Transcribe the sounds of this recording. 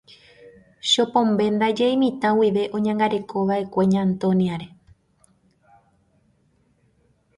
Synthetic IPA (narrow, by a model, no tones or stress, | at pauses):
ʃo̞põ̞mbe̞nd̪ad͡ʒejmĩt̪ãwiʋe̞ʔõ̞ɲãŋɡaɾe̞kʰo̞ʋaʔe̞kʷe̞ɲãːnt̪õ̞niaɾe̞